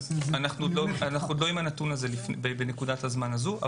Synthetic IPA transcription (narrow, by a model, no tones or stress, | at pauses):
anaχnudloanaχnud̪lo̞imanatunaze̞lifnbebene̞kudathazmanazua̰